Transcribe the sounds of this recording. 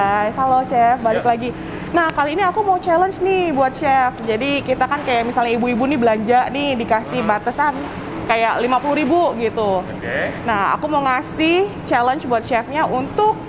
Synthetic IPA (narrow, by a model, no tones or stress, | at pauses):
ajsaloʃɛfbalɪklaɡi | nahkaliːniakumaut͡ʃɛlənt͡ʃnɪhbuat̪̚ʃɛfd͡ʒadikit̪akankajaʔmisalɲaibuibunibəlaɲd͡ʒaʔnɪhdikasɪhbat̪asan | kajaʔlimapuluɾibuɡit̪u | naha̰kumoŋasɪht͡ʃɛlənt͡ʃbuat̪̚ʃɛfɲaʔunt̪ʊk̚